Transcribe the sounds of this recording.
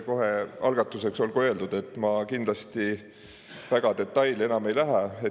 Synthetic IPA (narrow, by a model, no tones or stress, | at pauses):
ko̞ɦe̞ɑ̰lɡ̥ɑt̪ːˑuse̞kso̞lko̞e̞ld̪ud̪̥e̞t̪ːˑmɑkind̪̥lɑst̪i | væɡ̥ɑd̪̥e̞t̪ːˑɑjle̞nɑme̞jlæɦæe